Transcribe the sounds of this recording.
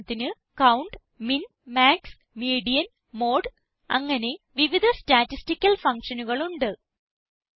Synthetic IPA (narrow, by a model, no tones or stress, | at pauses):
t̪ːinɨ | kɐwɳɖ | min | maːks | miːɽijɐn | mo̞ːɖ | ɐ̰ŋːɐne̞ʋiʋid̪ʱɐstaːtːistikʲːɐlfɐŋkʂɐnuɣɐɭuɳɖɨ